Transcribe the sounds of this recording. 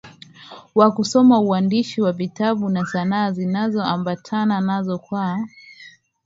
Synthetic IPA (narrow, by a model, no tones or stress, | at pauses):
wakusɔmauandiʃiwavitaɓunasanaːzinazɔambatʰananazɔkwa